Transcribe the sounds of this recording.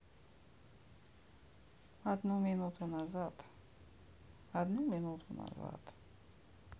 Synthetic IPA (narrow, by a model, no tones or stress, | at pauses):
ad̪numinut̪ʰunazat̪ | ad̪numinut̪ʰuna̰za̰t̪